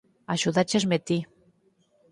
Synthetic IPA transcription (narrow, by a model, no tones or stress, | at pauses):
aʃuðat͡ʃezmet̪i